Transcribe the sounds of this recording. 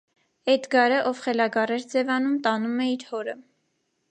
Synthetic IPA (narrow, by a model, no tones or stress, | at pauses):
ɛt̪ɡɑɾəʔɔvχɛlɑɡɑrɛɾd͡zɛvɑnumt̪ɑnumɛiɾhɔɾə